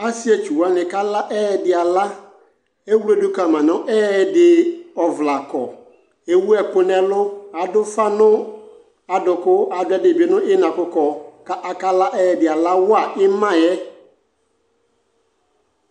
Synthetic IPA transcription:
a˦si˦ɛ˨t͡ʃu˨wa˦nɪ̃˨ka˦la˦ʔɛ˦ɛ˨dɪ˨a˨la˦ | e˦wu˦ɾe˦dʊ˦ka˨mã˨nʊ̃˦ʔɛː˦˨dɪ˨ɔ˨vla˨kɔ̰˨ | e˦wu˦ɛ˨kʊ˦nɛ̃˨lʊ˦a˨dʊ˦fa˦nʊ̃˦ | a˨dʊ˨kʊ˦a˨dʊ˦ɛ˦dɪ˨bɪ˨˦nʊ̃˦ʔɪ˦nã˨kʊ˦kɔ˨ka˦ʔa˨ka˦la˦ʔɛ˦ɛ˨dɪ˨a˨la˦wʊ˦a˨ʔɪ˦mã˦˨jɛ˦

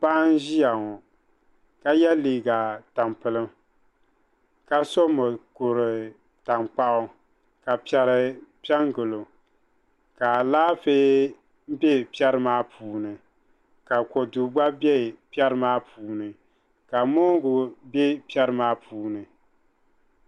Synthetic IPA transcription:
pa˦n˦ʒi˦ja˨ŋɔ˨ | ka˦jɛ˦liː˨ɡa˨ta˨mpɨ˨lɨ˦m | ka˨sɔ˦mɨ˨ko˨ɾɨ˨ | ta˨mk͡pa˦ʔʊ˦ | ka˨pi˦ɛ˨ɾɨ˨pi˦ɛ˦ŋɡɨ˨lo˨ | ka˨laː˦fe˦ | m̩˦bɛ˦pi˦ɛ˦ɾɨ˦maː˦pʰuː˨nɨ˨ | ka˨kɔ˨du˨ɡ͡ba˦bɛ˦˨pi˦ɛ˦ɾɨ˦maː˦puː˨nɨ˨ | ka˨moː˦ɡʊ˨bɛ˦pi˦ɛ˦ɾɨ˦maː˦pʰuː˨˦nɨ˨

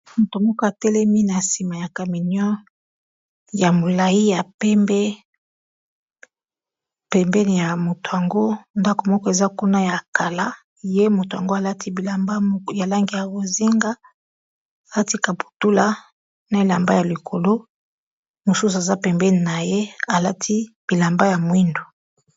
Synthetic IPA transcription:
mo˨to˨mɔ˦kɔ˦a˨tɛ˦lɛ˦mi˦na˨si˨ma˨ja˨ka˨mi˨njɔ˦ | ja˨mo˨la˨i˦ja˨pɛ˦mbɛ˦ | pɛ˨mbɛ˦n˨ja˨mo˨to˨ja˨ŋɡo˦nda˦ko˨mɔ˦kɔ˦e˨za˦ku˦na˦ja˨ka˨la˦ | je˦mo˨to˨ja˨ŋɡo˦a˨la˦tʰi˦bi˨la˨mba˦ja˨la˦ŋɡi˨ja˨bo˨zi˦ŋɡa˦ | a˨a˦ti˦ka˨pu̥˨tu˦la˦ | na˨e˨la˨mba˦ja˨li˨kʰo˨lo˦ | mo˨su˦su˨e˨za˦pɛ˨mbɛ˦ni˨na˨je˦a˨la˦tʰi˦b̥i˨la˨mba˦ja˨mwi˦ndo˨

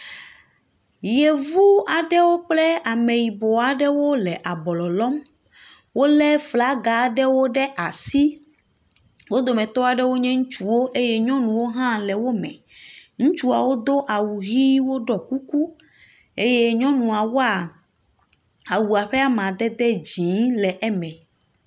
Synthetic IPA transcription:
je˨vu˦a˨ɖɛ˦wo˦k͡plɛ˦a˨me˨ji˨bɔ˨a˨ɖɛ˦wo˦lɛ˨ʔa˨bɔ˨lɔ˨lɔ˦m | wo˦lɛ˦fla˨˦ɡa˨ɖɛ˦wo˦ɖɛ˦ʔa˨si˦ | wo˦d̪o˨mɛ̃˨t̪ɔ˦a˨ɖɛ˦wo˦ɲɛ̃˦ŋũ˦t͡ʃu˦wo˦ʔe˦jɛ˦ɲɔ̃˦nũ˨wo˦ɦã˦lɛ˨wo˦mɛ̰̃˨ŋũ˦t͡ʃu˦a˨wo˦d̪o˦ʔa˨wu˨ɣi˦wo˦ɖɔ˨ku˦ku˦ | e˦je˦ɲɔ̃˦nũ˨a˨wo˦a˨ | a˨wu˨a˨ɸɛ˦a˦mã˨d̪ɛ˦d̪ɛ˦d͡ʑĩ˨˦lɛ˨ʔɛ˦mɛ̃˨

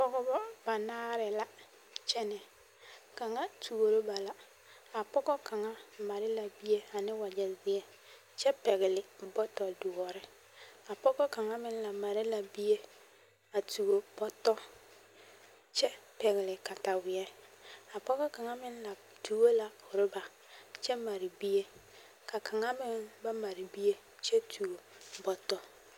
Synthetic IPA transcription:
pɔ˦ɡɔ˦bɔ˦ba˨naː˦ɾɪ˨la˦ | t͡ʃɛ˦nɛ˨ | ka˨ŋa˦tu˨ɡo˨ɾo˦ba˨la˦ | a˨pɔ˦ɡɔ˦ka˨ŋa˦ma˨ɾɪ˦la˨bi˦e˦a˨nɪ˦wa˨d͡ʒɛ˨zɪ˦ɛ˦ | t͡ʃɛ˦pɛ˨ɣɪ˨lɪ˨bɔ˦tɔ˨du˨ɔ˨ɾɪ˦ | a˨pɔ˦ɡɔ˦ka˨ŋa˦mɪ˦n˦la˨ma˨ɾɪ˦la˨bi˦e˦ | a˨tu˨o˨bɔ˦tɔ˦ | t͡ʃɛ˦pɛ˨ɣɪ˨lɪ˨ka˨ta˨wɪ˨ɛ˦a˨pɔ˦kɔ˦ka˨ŋa˦mɪ˦n˦la˨ | tʰu˨˦o˦la˨ʊ˨ɾʊ˦ba˨ | t͡ʃɛ˦ma˨ɾɪ˨bi˦e˦ | kʰa˨kʰa˨ŋa˦mɪ˦nba˦ma˨ɾɪ˨bi˦e˦ | t͡ʃɛ˦tʰu˨o˨ | bɔ˨tɔ˦

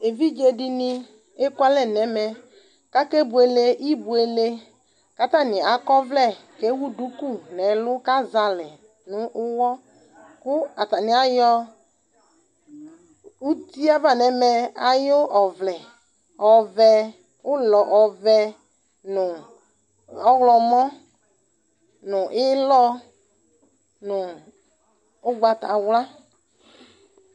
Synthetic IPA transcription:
e˨vi˦d͡ʒe˦dɪ˨nɪ˦ | e˦kwa˦lɛ˦nɛ˨˦mɛ˨ | ka˦ke˦bu˨e˨le˦ʔi˦bu˨e˨le˦ | ka˦t̪a˦˨nɪ̃˨a˨kɔ˦vlɛ˦˨ke˨˦wu˦du˨˦ku˦˨nɛ˨lʊ˦ka˦za˨lɛ˨ | nʊ̃˨ʔʊ˦wɔ˦ | kʊ˦a˨ta˨nɪ˨a˦jɔ˦ | u˦ti˦a˦va˨nɛ˨mɛ˨a˦jʊ˦ɔ˨vlɛ˨ | ɔ˨vɛ˧ | ʊ˦lɔ˨ʔɔ˨vɛ˧ | nʊ˨ | ɔ˦ɣlɔ˨mɔ̃˦ | nʊ˨ʔɪ˦lɔ˦ | nʊ˨ | ʊ˦ɡ͡ba˧ta̰˨wla˦

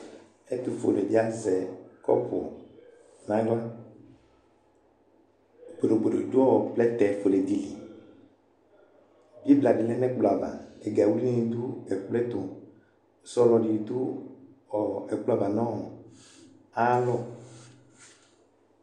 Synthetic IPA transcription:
e˦t̪u˨fo̰˨le˨vi˦a˦zɛ˨kɔ̰˦ɸo̰˨ | nã˨˦ɡa˦ | ɡ͡bo˨ɾo˨ɡ͡be˨o˨do˦ɔ˦ɔ˨k͡plɛ˦t̪ɛ˨fo˨le˨d̪i˨li˨ | bi˦bla˨di˨lɛ̃˦nɛ̃˦k͡plɔ˨a˨ba̰˨e˨ɡa˨wu˦i˦nẽ˦nĩ˨d̪u˦e˨k͡plɛ˦t̪o˨ | sɔ˦lɔ˨ɖi˨d̪u˦ | ɔ˨ɛ˨k͡pla˨ba˨nɔ̃˦wɔ˨ | a˦lɔ˦

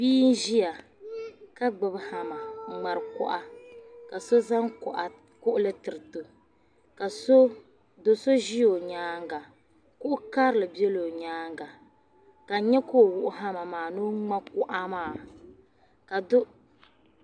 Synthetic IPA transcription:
biː˦n̩˦ʒi˦ja˨ | ka˦ɡ͡bɨ˨bha˨ma˨ŋ͡ma˨ɾɨ˨kʊ̰˦ʔa˦ka˨so˦za˦ŋkʔa˨ | kʊ˦ʔʊ˦lɨ˦tɨ˨ɾɨ˨to˨ | ka˨so˦ | do˨so˦ʒi˦o˨ɲaː˦ŋ˦ɡa˨ | kʊ˦ʔʊ˦ka˦ɾɨ˦lɨ˨bi˦ɛ˦lo˨ɲaː˦ŋɡa˨ | ka˨˦ɲɛ˦ko˦˨wʊ˦ʔʊ˦ɦa˦ma˨maː˨no˦ŋ͡ma˦kʊ˦ʔa˦maː˨˦˨ | ka˨dʊ˦

